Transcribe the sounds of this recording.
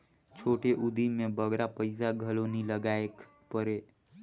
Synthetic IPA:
t͡ʃʰoʈeʔud̪ʱimebəɡɾapəɪsaɡʱəloniləɡaek | pəɾe

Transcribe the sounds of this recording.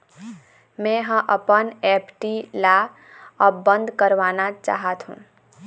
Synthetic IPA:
mɛ̃ɦə̃ʔəpənɛːpʈila | ɔbə̃nd̪ʱkəɾʋaːnat͡ʃa̰ːɦət̪ɦṵ̃ː

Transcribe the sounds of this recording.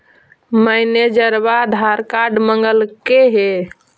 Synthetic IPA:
məjned͡ʒəɾbad̪ʱaɾkaɾɖməŋɡəlkeɦe

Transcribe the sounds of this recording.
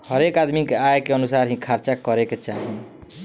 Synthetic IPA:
hʌɾekad̪mikaekeʌnusaɾɦĩkʰaɾt͡ʃakʌɾeket͡ʃaɦĩ

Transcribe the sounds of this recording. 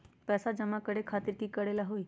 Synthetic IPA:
pɛːsad͡ʒəmakəɽekʰaːt̪ɪɾkikəɽelaɦoːi

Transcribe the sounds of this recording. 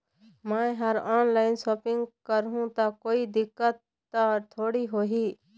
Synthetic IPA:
mɛ̃ɦəɾɔːnlaːɪnsoːpɪ̃ŋɡkəɾɦũt̪akoːid̪ɪkːət̪ː | at̪ʰoːɽiɦoːɦiː

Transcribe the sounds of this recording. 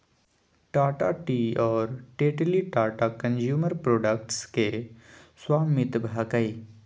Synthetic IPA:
ʈaːʈaʈiːɔːɾʈeːʈliʈaːʈakə̃nd͡ʒjuːməɾpɾoːɖək̚ʈskeswaːmɪt̪bʱaːkəi

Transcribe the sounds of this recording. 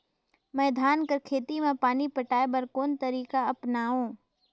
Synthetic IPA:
mɛːd̪ʱaːnkəɾkʰeːt̪imẽpaːnipəʈaːebəɾkoːnt̪əɾiːkaɐpnaːũː

